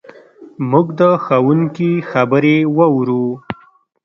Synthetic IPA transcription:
muɡd̪əxawuŋkixabəɾewəwɾu

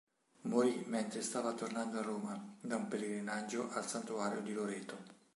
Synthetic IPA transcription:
mojmɛnt̪ɾest̪aːvat̪ornand̪oarːoːmad̪aumpeleɡɾinad͡ʒːoʔalsant̪uaːɾjod̪iloɾɛːt̪o

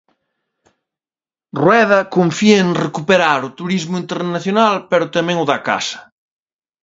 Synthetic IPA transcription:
rwɛðɐkoɱfiɐeŋrekupeɾaɾʊt̪uɾizmʊint̪eɾnaθjonalpeɾʊt̪amɛ̃ŋʊðaka̰sɐ̥

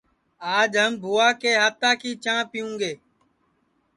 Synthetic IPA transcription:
aːd͡ʒɦəmbʱuːaːkeːɦaːt̪aːkiːt͡ʃãːpɪjũːɡeː

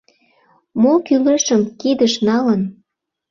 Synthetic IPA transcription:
mokyləʃəmkid̪əʃnɑlən

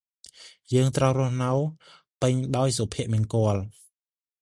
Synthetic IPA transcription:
jəːŋt̪rəwrʊ̆əhnəw | pɨɲɗaɔjsopʰiəʔmiənkŏəl

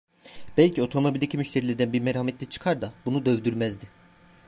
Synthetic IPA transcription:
b̥ɛlʲcʰio̞t̪ʰo̞mobilʲd̪ecʰimyʃt̪ʰeɾilʲɛɾd̪ænbiɾmeɾhamet̪lʲɛt͡ʃʰɯ̥kʰaɾd̪ab̥unud̪ø̞vd̪yɾmæzd̪ɪ

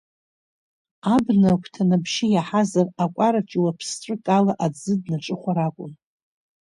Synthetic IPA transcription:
abnakʷʰtʰanabʃɪjaħazarakʷʼaɾat͡ʃʼiwapʰsʈ͡ʂʼɨkʼalaʔad͡zɨdnaʈ͡ʂʼɨχʷaɾakʷʼʊn

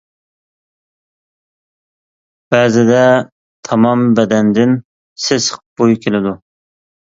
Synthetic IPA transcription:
b̥ɛːzɪd̪ɛ | t̪ʰɑmɑmbɛd̪ɛnd̪ɪn | sɪsqb̥ojkʲʰelɪd̪u

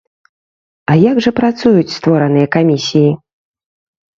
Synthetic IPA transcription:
ɐjaɡʐɐpɾat̪sujut͡sʲst̪vɔɾɐn̪ɨjɐkamʲisʲiji

